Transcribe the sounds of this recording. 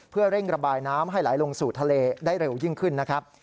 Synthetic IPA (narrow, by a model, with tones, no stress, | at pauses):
pʰɯ˥˩ɐɾe˥˩ŋɾa˧baː˧jnaː˦˥mɦa˥˩jlaː˩˦jlo˧ŋsuː˨˩t̪ʰːa˧leː˧daː˥˩jɾe˧wjɯ˥˩ŋkʰɯ˥˩nːa˦˥kʰɾa˦˥p̚